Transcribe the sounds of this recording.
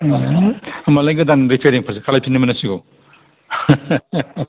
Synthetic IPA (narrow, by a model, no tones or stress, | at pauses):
ɐmalajɡɐdanɾipʰeɾiŋpʰɐɾsekʰalajpʰinimɐnɐsiɡo